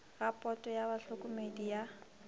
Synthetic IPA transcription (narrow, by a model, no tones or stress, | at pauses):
rapʼɔtʼɔjaβaɬʊkʼʊmedija